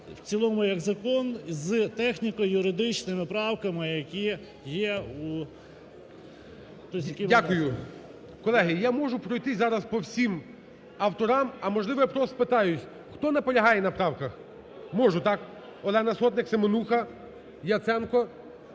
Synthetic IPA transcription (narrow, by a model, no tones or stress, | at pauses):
w̥t͡s̪ʲilˠɔmʊjɐɡzɐkɔnzt̪ɛxnʲikɔjʊɾɪd̪ɪt͡ʃnɪmɪpɾɑwkɐmɪjɐkʲi | jɛu | t̪ɔs̬ʲjɐkʲiʋdʲakʊjʊ | kɔlˠɛɦɪjamɔʒʊpɾɔjt̪ɪzɑɾɐspɔwsʲim | ɐwt̪ɔɾɑmɐmɔʒlˠɪʋɔpɾɔst̪pɪt̪ɑjʊsʲ | xt̪ɔnɛpɔlʲɐɦɑjɛnɐpɾɑwkɐx | mɔʒʊt̪ɑk | ɔlˠɛnɐsɔt̪nɪksemɔnuxɐ | jɐt̪sɛnkɔ